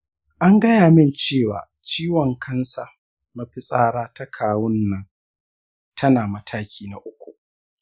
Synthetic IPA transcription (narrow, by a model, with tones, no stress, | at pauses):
ʔa˦ŋɡɐ˦jaː˨mɪ˦nt͡ʃeː˦˨wa̰ː˨ | t͡ʃiː˦wɔ˨ŋkʰɐ˦nsa˨ | ma˦ɸɪ˦sʼaː˦ɽaː˦ta˦kʰaː˨wʊ˦nːɐ˦ŋ | tʰɐ˦naː˨mɐ˦tʰaː˦kʲiː˦na˨ʔʊ˦kʷu˨